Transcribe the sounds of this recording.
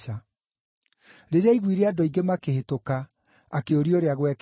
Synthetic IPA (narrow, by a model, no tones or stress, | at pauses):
a | ɾeɾeaiɣwiɾeadoiŋɡemakehetoka | akeoɾioɾeaɣwɛk